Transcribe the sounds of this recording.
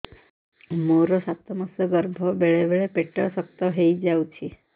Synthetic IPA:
moɾɔsat̪əməsəɡəɾbʱɔbeɭeʋeɭepeʈəɭsək̚t̪ɔɦejd͡ʑawt͡ɕʰi

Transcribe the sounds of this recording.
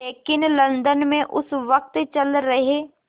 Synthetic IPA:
eːkɪnlɐ̃nd̪ənmẽʔʊsʋɐk̚t̪t͡ʃɐlɾɐɦeː

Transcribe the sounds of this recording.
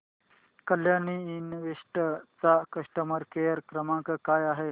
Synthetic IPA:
kəljaniinʋeʂʈət͡sakəʂʈəməɾkejəɾkɾəmãŋkəkajaɦe

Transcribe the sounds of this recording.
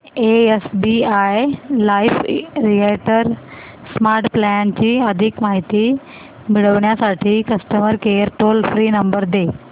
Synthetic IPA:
eesbiajlaifɾieʈəɾ | smaɾʈplɛnt͡ɕiːəd̪ʱikmaɦit̪i | miɽəʋɳjasaʈʰiːkəsʈəməɾkeɾʈolfɾiːnəmbəɾd̪e

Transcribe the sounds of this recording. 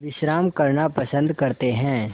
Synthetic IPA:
ʋɪʃɾaːmkɐɾnapɐsə̃nd̪ʱkɐɾt̪eɦɛ̃ː

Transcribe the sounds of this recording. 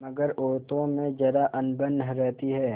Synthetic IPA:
mɐɡəɾoːɾt̪õmẽd͡ʒɐɾaʔɐnbənɦɾɛɦt̪iɦɛː

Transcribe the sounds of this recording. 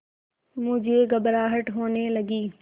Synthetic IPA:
mʊ̃ɦd͡ʑeːɡɐbɾaːɦəʈɦoːnelɐɡiː

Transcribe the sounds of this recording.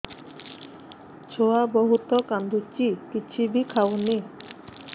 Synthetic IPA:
t͡ʃʰoabɔɦut̪ɔkand̪ʱut͡ʃikit͡ɕʰibikʰawne

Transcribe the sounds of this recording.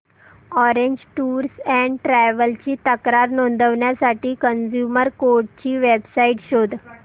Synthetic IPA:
ɔɾeɲd͡ʑʈuːɾsɛɳɖʈɾɛʋəlt͡ɕiːt̪əkɾaɾnond̪ʱəʋɳjasaʈiːkənd͡ʑjuməɾkoɾʈ̚t͡ɕiːʋebsaiʈɕod̪ʱ

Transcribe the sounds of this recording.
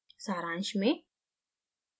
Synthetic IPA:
saːɾãːnʃmẽ

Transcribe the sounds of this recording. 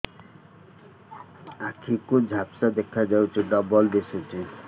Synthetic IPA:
akʰikud͡ʒʱapsad̪ekʰad͡ʒawt͡ʃʰiɖɔbɔlbesut͡ʃʰi

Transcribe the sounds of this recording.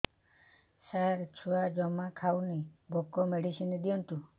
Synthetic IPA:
saɾt͡ʃʰuad͡ʒɔmakʰawnibʱɔkɔmeɽisined̪ijɔnt̪u

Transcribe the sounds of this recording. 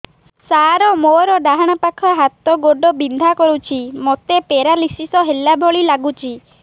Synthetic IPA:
saɾɔmoɾɔɖaɦaɽ̃apakʰɔɦat̪ɔɡoɖɔbind̪ʱakɔɾut͡ʃʰimɔt̪epeɾalisisɔɦelabʱɔɭilaɡut͡ʃʰi

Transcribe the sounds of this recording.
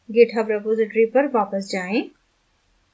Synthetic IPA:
ɡeːʈʰɦɐʋɾɛpoːzɪʈɾipɐɾʋaːpəsd͡ʒaːẽː

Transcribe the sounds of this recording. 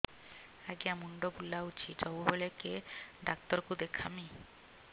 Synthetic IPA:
aɡeamuɳɖobulaut͡ʃʰitɔbubolekeɖak̚t̪ɔɾkud̪ekʰami

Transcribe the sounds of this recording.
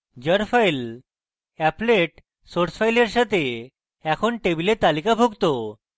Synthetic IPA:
d͡ʑəɾfail | ɛpleʈ | soɾsfajleɾɕat̪e | ɛkʰoɳʈebilet̪alikabʱoɡt̪o

